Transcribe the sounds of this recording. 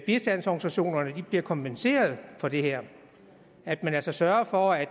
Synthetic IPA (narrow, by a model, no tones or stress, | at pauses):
b̥isd̥ænsɒɡ̥n̩isæɕo̝̰ːnɐnəd̥ib̥liɐkʰɒ̽mpʰense̝̰ːɐð̞ˠfɒ̽d̥e̝heɐ̰ | æd̥mænæl̰sɒ̽sɶɐɐfɒæ